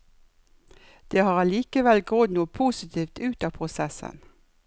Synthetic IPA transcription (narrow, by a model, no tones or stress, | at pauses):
d̪̥eːhɑːʁɑliːkəʋɛlɡʁonuːpʰuːsɪt̪ʰiːft̪ʉːt̪ɑːpʰʁʊsɛsə̰n